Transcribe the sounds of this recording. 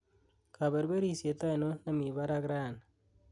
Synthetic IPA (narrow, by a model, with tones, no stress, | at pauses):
ka˨be˨ɾbe˦ɾi˦sje˨t̪a˦ɪ˨no˦na˨mi˨ba˦ɾa˦ɡɾa˦˨n